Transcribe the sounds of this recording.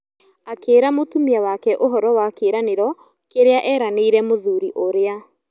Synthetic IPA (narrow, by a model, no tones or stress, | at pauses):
akeːɾamotumiawakɛʔoɦɔɾɔwakeɾaneɾɔ | keɾeaʔɛːɾaneiɾɛmoðuɾiʔoɾea